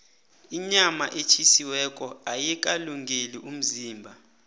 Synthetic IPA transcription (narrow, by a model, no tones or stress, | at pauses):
iɲama̰ʔet͡ʃʰisiwɛk̬ʼɔajɛk̬ʼaluŋɡʱeliʔum̩ziːmbʱa